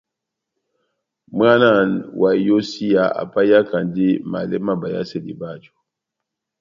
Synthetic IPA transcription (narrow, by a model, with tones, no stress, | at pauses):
m˦a˦na˦˨nwa˨jo˦si˦ja˨a̰˨pa˦ja˦ka˨ndi˦ma̰˨lɛ˦ma˦ba˨ja̰˦se˦lḭ˨ba˦˨d͡ʒo̥˨